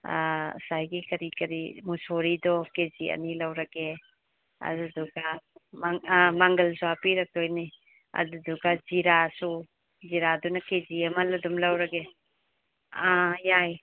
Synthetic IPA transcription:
sajɡikɐɾikɐɾimusoɾidɔkeziɐ̰nilawɾɐɡe | ɐ̰duduɡamaŋmaŋɡɐlsuɦapiɾɐk̚tojni | ɐ̰duduɡad͡ʒiɾasu | ziɾadunɐked͡ʒiɐmɐlɐdumlawɾɐɡe | ajaj

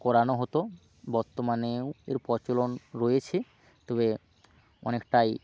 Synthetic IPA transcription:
kɔɾanoɦɔt̪o | bɔɾt̪omanewḛɾpɔɾt͡ɕolonɾojet͡ɕʰe | t̪ɔβe | ɔ̰nekʈaj

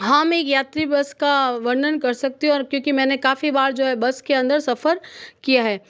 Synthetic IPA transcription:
ɦameːkjaːt̪ɾibɐskaʋɐɾnənkɐɾsɐk̚t̪iɦũɔːɾkjõːkimɛ̃ːnekaːfibaːɾd͡ʒoːɦɛbɐskeɐ̃nd̪əɾsɐfəɾkijaɦɛː

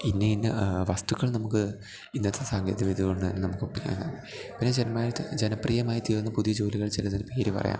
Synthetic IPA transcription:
inːeinːɨʋɐst̪uɣɐɭnɐmukːɨ | inːɐt̪ːesaːŋɡeːðɐʋeːðiɣoɳɖɨt̪ɐnːenɐmukːɨpːɐnːa | pinːed͡ʑenmaːɾid͡ʑenɐpriːjɐmaːjit̪iːrunːɐpuðijɐd͡ʑo̞ːliɣɐɭt͡ɕilɐt̪inːepeːɾipɐ̰rɐ̰ja̰ːm

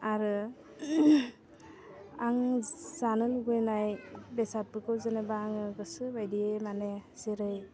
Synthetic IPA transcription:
aɾɯ | aŋzanɯlɡɯjnajbesat̚bɯkɯwzɯnebaːŋɯɡɯsɯbajdiemanesiɾɯj

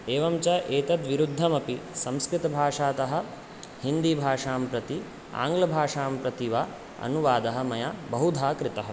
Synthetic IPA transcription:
eːʋɐmt͡ʃɐʔeːt̪ɐt̪ʋiɾud̪ʱːɐmɐpisɐmskɾɪt̪ɐbʱaːʂaːt̪ɐɦɐ̆ | hind̪ibʱaːʂaːmpɾɐt̪i | a̰ːŋɡlɐbʱaːʂaːmpɾɐt̪iʋa | ɐ̰nuʋaːd̪ɐɦɐ̆mɐjabɐɦud̪ʱaːkɾɪt̪ɐɦɐ

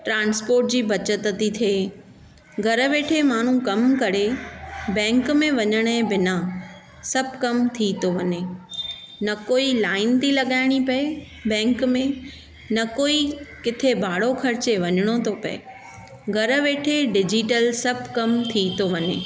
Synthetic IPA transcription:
ʈɾãːnspoːɾʈ̚d͡ʑiːbʱɐt͡ɕət̪ət̪it̪ʰeː | ɡʱɐɾəʋeːʈʰemaːɳ̤ũkɐmkɐɾebɛ̃ːŋkmẽʋɐɲəɽ̃əẽbɪna | sɐb̚ʱkɐmt̪ʰit̪ʰoʋɐɲe | nɐkoːilaːɪnt̪ʰilɐɠaːɪɽ̃ipɐe | bɛ̃ːŋkmẽ | nɐkoːikɪt̪ʰebʱaːɽokʰɐɾɪt͡ɕeʋɐɲəɽ̃ot̪ʰopɐ̰ḛ | ɡʱɐɾə̆ʋeːʈʰeɖɪd͡ʑiʈəlsɐbʱkɐmt̪ʰit̪ʰoʋɐɲḛː

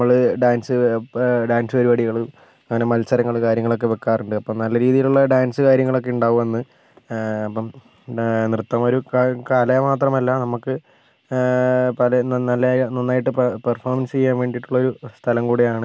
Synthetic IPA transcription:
mːɐɭɖaːnsɨɖaːnsɨɐɾuʋɐɽiɣɐɭum | ɐŋːɐne̞mɐlsɐɾɐŋːɐɭkaːɾjɐŋːɐɭo̞kːe̞ʋe̞kːaːruɳɖɨɐpːɐmnɐlːɐɾiːðijiluɭːɐɖaːnsɨkaːɾjɐŋːɐɭo̞k̬ːe̞uɳɖaːʋume̞nːɨ | ɐpːɐm | nrɨt̪ːɐmo̞ɾukaːlɐmaːt̪rɐmɐlːɐnɐmukːɨ | pɐlɐnnɐlːɐnonːaːjiʈːɨpperfoːrmɐnst͡ɕe̞jːaːnʋe̞ːɳɖiʈːuɭːɐoɾust̪ʰɐlɐmkuːɽejaːɳɨ

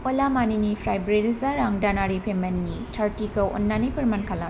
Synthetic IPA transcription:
olamaninipʰɾajbɾiɾizaɾaŋdanaɾipʰemenːitʰaɾtikɐʔo̰nːanɐjpɐɾmankʰalɐ

